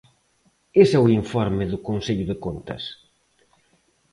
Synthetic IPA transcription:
esɛʊiɱfɔɾmɪðʊkonseʎʊðɪkont̪ɐ̰s

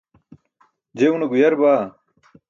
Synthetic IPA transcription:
d͡ʑeunɐɡujɐɾbaː

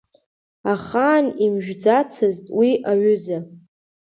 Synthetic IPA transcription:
aχaːnimʒᶣd͡zat͡sʰɨztʼwiʔaɥʊza

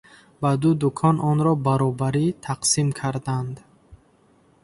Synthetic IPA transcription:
bad̪ud̪ukʰɔnɔnɾɔbaɾɔbaɾit̪ʰaqsimkʰaɾd̪and̪

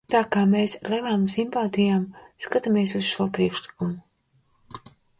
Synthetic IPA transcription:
t̪aːkaːmeːsɾalaːmsimpaːt̪ijaːmskat̪amiɛsuz̥ʃuɔpɾiɛkʃlˠikumu

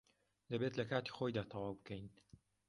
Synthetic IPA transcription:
d̪ɐbet̪lɐkaːt̪i̥xojd̪aːt̪ʰɐwaːwbɨkʰɛjn

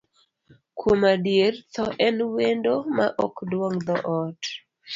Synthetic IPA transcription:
kʰomadjert̪ɔʔɛnwendomaʔɔkdwɔŋd̪ɔʔɔt

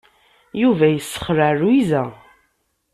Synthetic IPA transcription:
juvæjəsːə̥χɾaruizæ

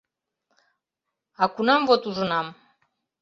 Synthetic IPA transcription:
ɑkunɑmvot̪uʒənɑm

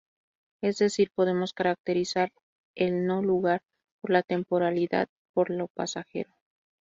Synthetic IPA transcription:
e̞zðe̞siɾpo̞ð̞e̞mo̞skaɾak̚t̪e̞ɾisaɾ | e̞lno̞luɣaɾ | po̞ɾlat̪e̞mpo̞ɾaliða̰ð | po̞ɾlo̞pasaxe̞̰ɾo̞

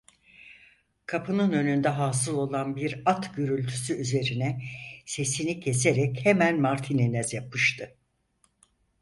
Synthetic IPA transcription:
kʰapʰɯnɯnø̞nynd̪ɛɦaːsɯlˠo̞lˠanbiɾat̪ɟøɾylʲt̪ʰy̥syyze̞ɾinɛse̞sinicʰe̞s̬eɾɛchemænmaɾt̪ʰininɛzjapʰɯʃt̪ʰɯ

